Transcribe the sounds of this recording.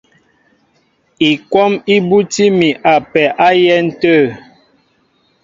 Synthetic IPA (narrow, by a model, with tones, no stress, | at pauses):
i˨kwɔ˦mi˦bu˦ti˦mi˨ʔa˨pɛ˨ʔa˦jɛ˦n̩˦tə˦˨